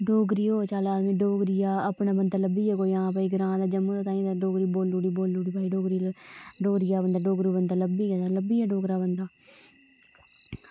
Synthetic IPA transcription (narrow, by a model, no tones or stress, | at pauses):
ɖoːɡɾiːoːt͡ʃaːlaːmẽːɖoːɡɾijaːəpɳãːbənd̪aːləbiːɛːkoːiãːpaːiːɡəɾãːd̪aːd͡ʒəməːaːt̪aːĩːd̪aɖoːɡɾiːboːlːuːɽiːboːlːuːɽiːpaːiːɖoːɡɾiːɖoːɡɾɪjaːbənd̪aːɖoːɡɾiːbənd̪aːləbiːɛt̪aləbiːaːɖoːɡɾaːbənd̪aː